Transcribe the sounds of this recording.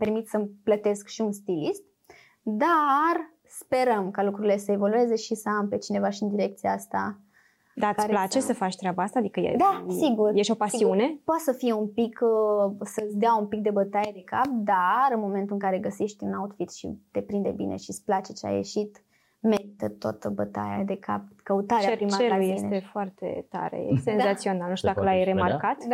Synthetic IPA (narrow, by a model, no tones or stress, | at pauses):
pe̞rmit̪səplət̪e̞skʃiunst̪ilist̪ | d̪ar | spe̞ɾəmkalukɾuɾile̞səe̞vo̞lue̞ze̞ʃisəampe̞t͡ʃine̞vaʃiɨnd̪iɾe̞kt̪sijaast̪a | d̪atkaɾlat͡ʃesəfat͡ʃt̪ɾʲeabaast̪aːd̪ikəjḛdd̪asiɡurjeʃopasiune̞poat̪səfijeumpik | səsʲd̪eaumpik̚d̪e̞bət̪ajed̪e̞kap̚d̪aɾɨnmo̞ment̪uɨŋkaɾe̞ɡəseʃt̪ʲɨnaut̪fit̪ʃḭd̪̥e̞pɾind̪e̞̰bine̞̰ʃisʲplat͡ʃet͡ʃa̰jḛʃit̪ | meɾit̪ət̪o̰t̪əbət̪a̰ja̰d̪e̞kʰa̰p̚kəut̪aɾeeapɾimaajesneefoart̪ḛt̪a̰ɾḛjḛsenzat̪sio̞nalnuʃt̪ud̪akəlajɾe̞markat̪